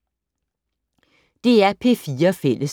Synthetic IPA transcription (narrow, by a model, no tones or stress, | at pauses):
d̪̥eːæːpʰeːfiːəfelʔəs